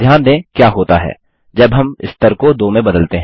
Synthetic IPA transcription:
jaːnd̪ẽkjaːɦoːt̪aɦɛ̰ː | d͡ʒɐbɦɐmɪ̰st̪əɾkod̪oːmẽbɐd̪əlt̪eɦɛ̃

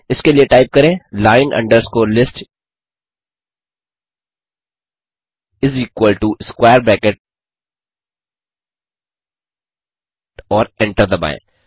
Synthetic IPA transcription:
ɪskelieʈaɪp̚kɐɾẽːlaːɪ̃nʔɐ̰̃ɳɖəɾskoːɾlɪsʈ | ɪziːkwəlʈuskwaːəɾbɛːkeʈ̚ | ɔːɾɛ̃ɳʈəɾd̪əbã̰ɪ̰̃

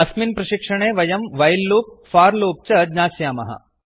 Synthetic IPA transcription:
ɐsminpɾɐʃikʂɐɳeːʋɐjɐmʋɐjlːoːp̚faːɾloːp̚t͡ʃɐd̪ɲaːsjaːmɐ̰ɦɐ̰

